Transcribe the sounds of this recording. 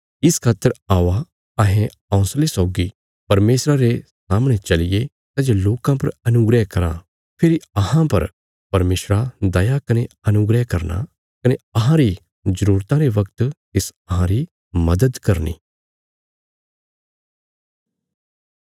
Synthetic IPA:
ɪskʰaːt̪ːəɾaːʋa | ɐɦẽ | ãʊ̃slesɔːɡi | pɐɾmeːsɾaɾesaːmɽ̃et͡ʃɐlɪje | t̪aːd͡ʒeloːkãpɐɾɐnʊɡɾɛɦkɐɾã̰ | pʰɪɾiɐɦãpɐ̰ɾ | pɐɾmeːʃɾad̪ɐjakɐneɐnʊɡɾɛɦkɐɾna̰ | kɐneɐɦãɾi | zɐɾuːɾt̪ãɾeʋɐkt̪t̪ɪsɐɦãɾi | mɐd̪əd̪kɐɾnḭː

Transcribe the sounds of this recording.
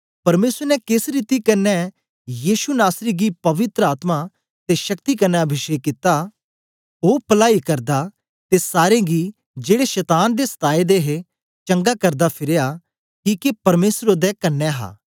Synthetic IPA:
pɐɾmeːsɾnɛkɪsɾiːt̪ikɐnːɛ | jiːʃunaːsɾiɡipɐʋɪt̪ɾəaːt̪ma | t̪eʃɐkt̪ikɐnːɛɐbʱɪʃekɪt̪a | oːpɐlaːikɐɾd̪a | t̪esaːɾẽɡi | d͡ʒeːɽeʃɛːt̪aːnd̪esɐ̥t̪aːed̪eɦe | t͡ʃɐ̃ŋɡakɐɾd̪apʰɪɾeja | kiːkepɐɾmeːsɾod̪ɛkɐnːɛɦa̰ː

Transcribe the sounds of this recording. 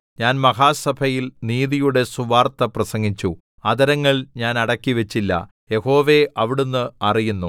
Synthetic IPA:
ɲaːnmɐɦaːsɐbʱɐjilniːðijuɽe̞suʋaːrt̪ɐprɐsɐŋɡit͡ɕːu | ɐd̪ɐɾɐŋːɐɭɲaːnɐɽɐkːiʋet͡ɕːilːɐ̰ | je̞ho̞ːʋe̞ʔɐʋiɽunːɨɐrijunːu

